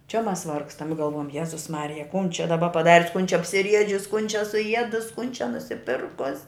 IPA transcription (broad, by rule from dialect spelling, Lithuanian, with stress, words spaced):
t͡ʃʲɛ ˈmɐs ˈʋɐrkstɐm ɪ ɡɐlˠˈʋuɔjɛm ˈjæːzʊs ˈmɑːrʲɪjɛ kʊn t͡ʃʲɛ dɐˈbɐ pɐˈdɑːrʲʊs kʊn t͡ʃʲɛ ɐpʲsʲɪˈrʲiɛd͡ʒʲʊs kʊn t͡ʃʲɛ sʊˈiɛdʊs kʊn t͡ʃʲɛ nʊsʲɪˈpʲɪrkʊsʲ